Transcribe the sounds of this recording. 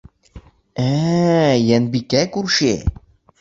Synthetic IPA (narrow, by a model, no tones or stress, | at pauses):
æ | jænbikækuɾʃḛ